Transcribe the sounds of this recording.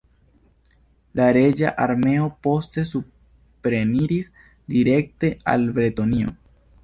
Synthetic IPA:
laɾe̞d͡ʒaʔaɾme̞o̞po̞ste̞su | pɾe̞niɾis | diɾe̞kte̞a̰lbɾeto̞nio̞̰

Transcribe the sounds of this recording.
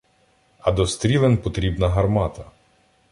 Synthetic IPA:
ɐd̪ɔst̪ɾʲilˠenpɔt̪ɾʲibnɐɦɐrmɑt̪ɐ

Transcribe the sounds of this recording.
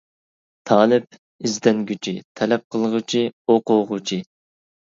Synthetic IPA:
t̪ʰɑːlɪp̚ | ɪzd̪ɛnɡʲyt͡ʃʰit̪ʰɛlɛp̚qʰəlˠəʁʊt͡ʃʰioqʊʁʊt͡ʃʰi

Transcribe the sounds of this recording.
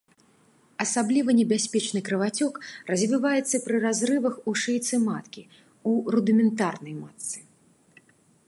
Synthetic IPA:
ɐsablʲivɐnʲɛbʲasʲpʲɛt͡ʂnɨkɾɨvat͡sʲɔkrɐzʲvʲivajɛt̪sːɐpɾɨrazrɨvɐxuʂɛjt̪sɨmat̪kʲi | urud̪ɨmʲɛnt̪arnɐjmat̪sːɨ̥

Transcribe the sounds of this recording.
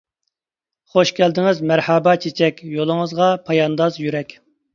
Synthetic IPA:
χoʃkʲʰɛld̪ɪŋɪzmæɾhɛbɛt͡ʃʰet͡ʃʰɛkʲjolˠəŋəzʁɑpʰɑjɑnd̪ɑzjyɾɛkʲ

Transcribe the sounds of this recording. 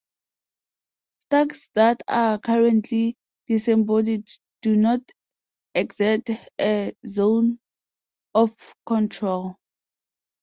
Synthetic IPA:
staksdatʰakʰaɹɛ̃ntʰli | d̥isɛ̃mbɔdid | d̥unɔt | ɛksɛstɛzõn | ɔfkʰɔ̃ntʰɹol

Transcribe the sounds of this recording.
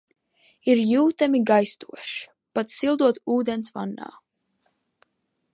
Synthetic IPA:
iɾjuːt̪amiɡajst̪uɔʃi̥ | pat̪silˠd̪uɔt̪uːd̪ɛnsva̰nːa̰ː

